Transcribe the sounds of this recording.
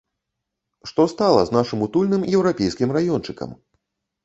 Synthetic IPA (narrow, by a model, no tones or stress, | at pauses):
ʂt̪ɔst̪alˠɐznaʂɨmut̪ulʲnɨmjɛwɾapʲɛjskʲimrajɔnt͡ʂɨkɐ̰m